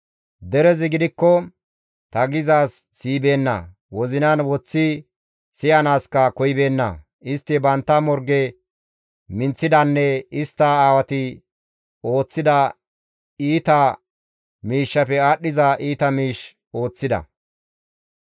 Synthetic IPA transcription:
d̪ɛɾɛzɪɡɪd̪ɪkːɔ | t̪ɐɡɪzaːsːiːbe̞ːnːɐ̰ | wɔzɪnanwɔt͡sːɪ | sɪjɐnaːskɐkɔjbe̞ːnːɐ̰ | ʔɪst̪ːɪbɐnt̪ːɐmɔɾɡɛ | mɪnt͡sːɪd̪ɐnːɛɪst̪ːɐaːwɐt̪ɪ | o̞ːt͡sːɪd̪ɐ | iːt̪ɐ | miːʃːɐpɛaːɗːɪzɐʔiːt̪ɐmiːʃ | o̞ːt͡sːɪd̪ɐ̰

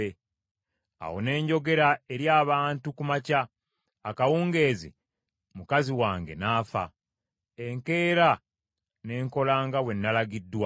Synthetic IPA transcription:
e | a̰wo̞̰ne̞ːɲɟo̞ɡe̞ɾae̞ɾjaːβaːntukumacaː | kawuːŋɡe̞ːzḭ | mukaziwaːŋɡe̞̰naːfa̰ | e̞ŋke̞ːɾa | ne̞ːŋko̞laːŋɡawe̞nːalaɡidːwa

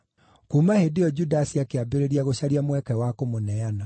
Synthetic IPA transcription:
kuːmahedeɔd͡ʑudasiakeabeɾeɾiaɣoɕaɾiamwɛkɛwakomonɛana

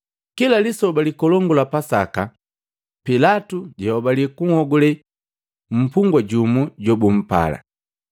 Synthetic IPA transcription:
kilalisɔbalikɔlɔŋɡulapasaka | pilatuɟɛɔbalikuŋhɔɡulɛ | m̩puŋɡwaɟumuɟɔbum̩pa̰la̰

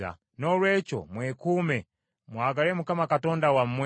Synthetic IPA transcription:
a̰ | nɔlwɛt͡ʃɔ̰mwɛkumɛ | muaɡalɛmukamakatɔndawam̩mw

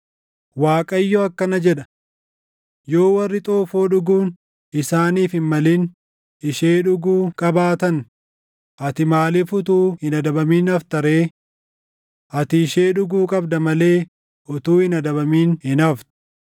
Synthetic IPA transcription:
waːkʼɐɪjːɔɐkːɐnɐd͡ʒɛᶑɐ | jo̞ːwɐrːɪt̪ʼoːfoːᶑʊɡuːn | ɪsaːniːfhɪnmɐlin | ɪʃeːᶑʊɡuːkʼɐbaːt̪ɐn | ʔɐt̪ɪmaːlɪfʊt̪̬uːhɪnɐd̪ɐbɐmiːnɐft̪ɐɾe̞ː | ʔɐt̪ɪːʃe̞ːᶑʊɡuːkʼɐbd̪ɐmɐle̞ː | ʔʊt̪uːhɪnɐd̪ɐbɐmiːnhɪnɐft̪ʊ̥

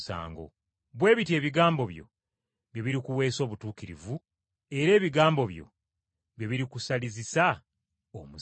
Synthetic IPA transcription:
sa̰ːŋɡo̰ | βwe̞ːβitie̞ːβiɡaːmbo̞βjo̞̰ | βjeβiɾikuwe̞ːso̞ːβutuːkiɾḭvu | e̞ɾe̞ːβiɡaːmbo̞βjo̞̰ | βje̞βiɾikusalizisa | omu

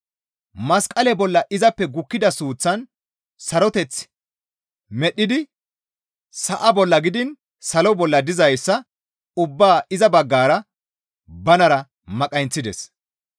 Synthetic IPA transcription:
mɐskʼːɐlɛbɔlːɐʔɪzɐpːɛɡʊkːɪd̪ɐsuːt͡sːɐn | sɐɾɔt̪ɛt͡s | mɛɗːɪd̪ɪ | sɐʔɐbɔlːɐɡɪd̪ɪn | sɐlɔbɔlːɐd̪ɪzɐjsːɐ | ʊbːaːɪzɐbɐɡːaːɾɐ | bɐnɐɾɐ | mɐkʼɐjnt͡sːɪd̪ɛs

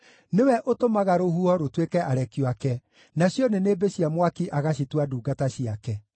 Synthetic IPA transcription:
newɛʔotomaɣaɾohuɔɾotwekɛʔaɾɛkjwakɛ | naɕjɔnenebeɕiamwakiʔaɣaɕ̬itwaduːɡataɕiakɛ

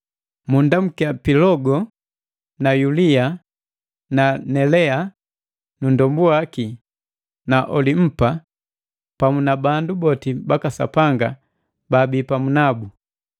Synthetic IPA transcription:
mundam̩kiapilɔɡɔ | najulia | nanɛlɛa | nundɔmbuaki | naʔɔlim̩pa | pamunabandubɔtibakasa̰paŋɡa | baːbiːpamunabu

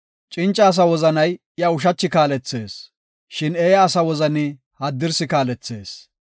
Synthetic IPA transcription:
t͡ʃʼɪnt͡ʃʼːɐːs̬ɐwɔzɐnɐj | jɐʊʃ̬ɐt͡ʃːɪkaːlɛt͡sːe̞ːs | ʃɪnɛːjɐːsɐwɔzɐnɪ | hɐd̪ːɪɾsɪkaːlɛt͡sːe̞̰ːs

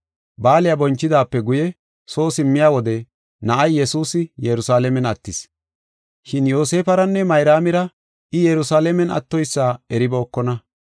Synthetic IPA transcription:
baːlɪjabɔnt͡ʃːɪd̪aːpːɛɡʊjɛ | so̞ːsɪmːɪjaːwɔd̪ɛ | nɐʔɐjːɛsuːsɪjɛɾʊsaːlɛmɛnɐt̪ːɪs | ʃɪnjo̞ːse̞ːfɐɾɐnːɛmɐjɾaːmɪɾɐ | ʔɪjɛɾʊsaːlɛmɛnɐ̰t̪ːɔjsːaːɛɾɪbɛːkːɔnɐ

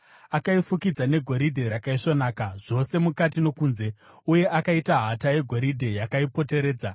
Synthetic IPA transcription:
akaifukid͡zane̞ɡʱo̞ɾidʱe̞ɾakaiʂo̞naːkaʐ̥o̞se̞mukatino̞kuːnze̞ | uje̞ʔakaitaɦataje̞ɡʱo̞ɾidʱe̞jakaipo̞te̞ɾe̞ːd͡za

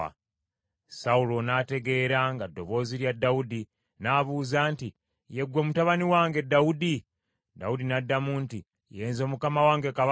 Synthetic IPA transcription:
saulo̞nate̞ɡe̞ːɾaŋɡadːo̞βo̞ziɾjadːaudi | naːβuːzaːnti | je̞ɡwo̞mutaβaniwaːŋɡe̞daudi | da̰udinadːamuːnti | jeːnzo̞ːmukamawaːŋɡeka

